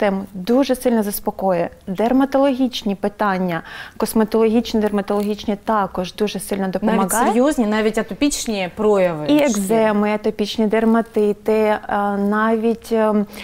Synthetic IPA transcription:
t̪ɛmʊd̪uʒɛsɪlʲnɐzɐspɔkɔjɛ | d̪ermɐt̪ɔlˠɔɦʲit͡ʃnʲipɪt̪ɑnʲːɐkɔsmɐt̪ɔlˠɔɦʲit͡ʃnid̪ermɐt̪ɔlˠɔɦʲit͡ʃnʲit̪ɑkɔʒd̪uʒɛsɪlʲnɔd̪ɔp̪ɔmɐɦɑeɾjɔzʲnʲinɑʋʲitʲɐt̪ɔpʲit͡ʃnʲipɾɔjɐʋɪieɡzɛmɪɐt̪ɔpʲit͡ʃnʲid̪ermɐt̪ɪt̪ɪnɑʋʲitʲ

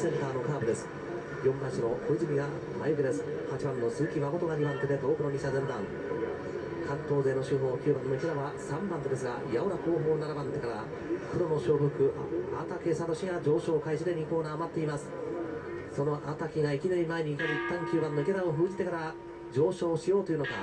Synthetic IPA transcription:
sẽ̞nt̪aːno̞kaːbɯ̟d̪e̞sɨ̥ | jõ̞ŋɡãɕino̞koizɨmʲiɡa | ma̰jɯkɯd̪e̞sɨ̥ | hat͡ɕibãnːo̞sɨkʲimako̞t̪oɡaɲʲibãnt̪e̞t̪e̞t̪o̞ːkɯ̟noɲ̟iɕazẽ̞mbã̰ŋ | kʰãnt̪o̞ːze̞ːno̞ɕɨːɦo̞ːkʲɨːbãnːoiked̪aβasãmbãnt̪od̪e̞s̬ɨɡajaoɾako̞ːɦoːnaɾabãnt̪e̞kaɾa̰ | kɯd̪omo̞ɕo̞ːɸɯ̟kɯ̟at̪ake̞sad̪o̞ɕiɡad͡ʑo̞ːɕo̞ːkaiɕid̪e̞ɲʲiko̞ːnaːmat̪ːe̞imasɨ̥ | so̞no̞ʔat̪akʲiŋaikʲinaɾʲimaeɲ̟iːkaɾoit̪ːãŋkʲɨːbãnːoikʲed̪aoɸɯ̟ːd͡ʑit̪e̞kaɾa | d͡ʑo̞ːɕo̞ːɕijo̞ːt̪ojiɯ̟noka

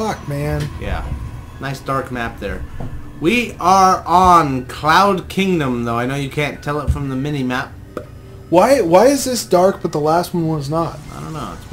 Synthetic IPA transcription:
ʌk̚mæ̃njæ̰ | naɪsd̥ɑɹkmæp̚ðə̰˞ | wiʔə˞ə̃nkʰl̥aʊd̚kʰɪ̃ŋdə̃mðoʊaɪnoʊjɨkʰæ̃ntʰɛlˠətfɹʌ̃mðəmɪ̃nimæp̚ | waɪwaɪɨzðɪsd̥ɑɹk̚b̥ʌt̪̚ðəlæst̚wʌ̃nwʌ̃nznət̚aɪdõ̰ʊ̃nːoʊəts

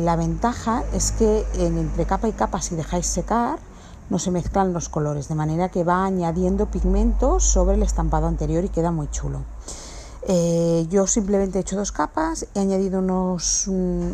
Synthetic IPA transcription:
laβ̞e̞nt̪axae̞ske̞ːnent̪ɾe̞kapaikapasiðe̞xajsːe̞kaɾ | no̞se̞me̞θklanlo̞sko̞lo̞ɾe̞zðe̞mane̞ɾake̞βaːɲaðje̞nd̪o̞piɣmẽ̞nt̪o̞so̞βɾele̞st̪ampaðoant̪e̞ɾjo̞ɾike̞ðamujt͡ʃṵlo | eʝo̞simple̞mẽnt̪eet͡ʃo̞ðo̞skapaseaɲaðiðounos

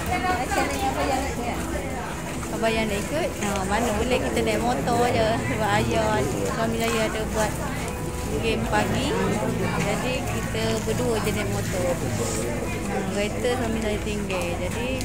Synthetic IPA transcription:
aaat͡ʃanakabajanaka | kabajanaʔikut̪̚əmanəbuləkit̪ənaʔ̪̚mɔt̪ɔd͡ʒəbaajaswamisajəadəbuat̪̚ | ɡempaɡi | d͡ʒadikit̪əbəduəd͡ʒənaʔ̚mot̪ɔ | əkait̪əswamisajət̪iŋɡed͡ʒadi

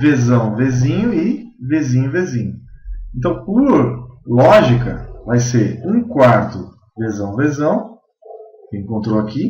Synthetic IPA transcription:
vezɐ̃w̃vezĩɲʊɪvezĩɲʊvezĩɲʊẽnt̪ɐ̃w̃pʊɾlɔʒikɐvajseɾũkwaɾt̪ʊ | vezɐ̃w̃vezɐ̃w̃ | kɪẽŋkõnt̪ɾoaki

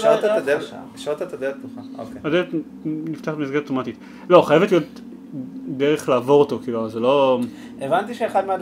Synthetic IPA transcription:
ʃot̪aad̪ḛ | ʃot̪at̪ad̪ettuχao̰keadet | nift̪aχmizɡaoto̞matit | lo̞χajevetlijo̞t | deʁeχlaːvo̞ʁoto̞kiːluaazelo̞ | evant̪iʃeːχad̪mead

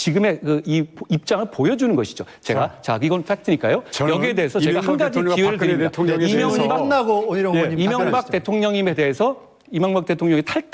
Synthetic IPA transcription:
t͡ɕiɡɯme̞kɯipip̚t͡ɕ͈aŋɯɭpojʌd͡ʑunɯnɡʌɕʰi̥d͡ʑo | t͡ɕe̞ɡat͡ɕakiɡʌnnf͈ak̚tʰɯɲik͈ajojʌɡiede̞esʰʌt͡ɕe̞ɡahanɡad͡ʑikiweɾɭɯieatʰimjʌbanaɡoeimjʌŋbakt͈e̞tʰoŋɲʌŋime̞de̞ːsʰʌ | imjʌŋbak̚t͈e̞tʰoŋɲʌŋitʰaɭ

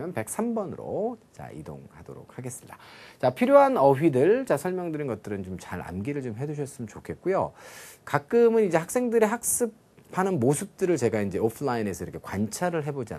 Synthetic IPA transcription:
jʌnpe̞k̚s͈ʰambʌnɯɾo̰t͡ɕa̰ḭdo̰ŋhado̰ɾo̰k̚haɡe̞s͈ɯmid̥at͡ɕapʰiɾjoɦanʌɸɥidɯɭt͡ɕasʰʌɭmjʌŋdɯɾenɡʌt͈̚ɯɾɯnt͡ɕomt͡ɕa̰ɾa̰nɡiɾɯɭt͡ɕomɦe̞d͡ʑuɕ̬ʰʌs͈ɯmɯnt͡ɕokʰe̞t̚k͈ujo̰kak͈ɯmɯnid͡ʑe̞hak̚s͈e̞ŋdɯɾeɦak̚s͈ɯpʰ | anɯnmosʰɯp̚t͈ɯɾɯɭt͡ɕe̞ɡaind͡ʑe̞opʰɯɭaine̞sʰʌiɾʌkʰe̞kwant͡ɕʰaɾɯɭɦe̞bod͡ʑia̰n

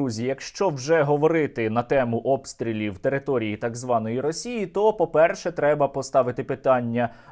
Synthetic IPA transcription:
uzʲijɐkʃt͡ʃɔwʒɛɦɔʋɔɾɪt̪ɪnɐt̪ɛmʊʔɔpst̪ɾʲilʲiwt̪e̞ɾɪt̪ɔɾʲijit̪ɑɡzʋɑnɔjiɾɔsʲijit̪ɔpɔpɛrʃɛt̪ɾɛbɐpɔst̪ɑʋɪt̪ɪpɪt̪ɑnʲːɐ

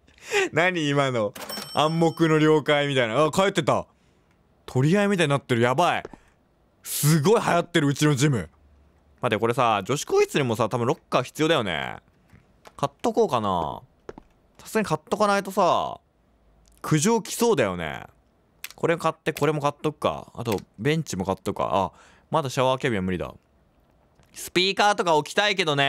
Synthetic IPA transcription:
naɲ̟iːmano̞ãmːo̞kɯ̟no̞ɾʲo̞ːkaimʲit̪ainaaːkae̞t̪ːe̞t̪a̰ | t̪ʰo̞ɾʲiaemʲit̪aɲ̟inat̪ːeɾɯ̟jabai | sɨɡo̞ihajat̪ːe̞ɾɯ̟ɯ̟t͡ɕino̞d͡ʑimɯ̟̰ | mad̪eko̞ɾe̞sad͡ʑo̞ɕi̥koːçit͡sɨɲʲimo̞sat̪abɯ̟̃ɾo̞kːaçʲi̥t͡sɨjo̞d̪ajo̞nḛ | kat̪ːoko̞ːkana̰ | t̪ḁsɨ̥kaɲ̟ikat̪ːokanait̪o̞sa | kʰɯ̟ʑoːkʲi̥so̞ːd̪ajo̞nḛ | ko̞ɾe̞kat̪ːe̞ko̞ɾe̞mo̞kat̪ːokɯ̟̥ka̰a̰t̪o̞bẽ̞ɲ̟t͡ɕimo̞kat̪ːoka̰a̰ | mad̪aɕaβaːkʲebʲiamɯ̟ɾid̪a̰ | sɨ̥pʲiːkaːt̪o̞kaokʲi̥t̪aike̞d̪o̞ne

